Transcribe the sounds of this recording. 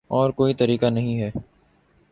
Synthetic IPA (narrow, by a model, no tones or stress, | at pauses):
ɔːɾkoːit̪əɾiːkanəɦĩɦɛː